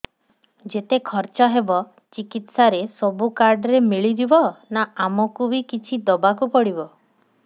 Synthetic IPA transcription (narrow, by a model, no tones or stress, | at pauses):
d͡ʒet̪ekʰɔɾt͡ʃɔɦebɔ | t͡ʃikit̪saɾesɔbukaɾɖɾemiɭid̪ibɔnaamɔkubikit͡ʃʰid̪ɔbakupɔɽibɔ